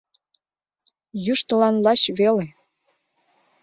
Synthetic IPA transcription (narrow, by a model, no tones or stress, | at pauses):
jyʃt̪ə̆lɑnlɑɕβele